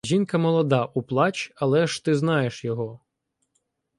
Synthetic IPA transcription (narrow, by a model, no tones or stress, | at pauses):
ʒʲinkɐmɔlˠɔd̪ɑʔuplˠɑt͡ʃɐlˠɛʃt̪ɪznɑjeʃjɔɦɔ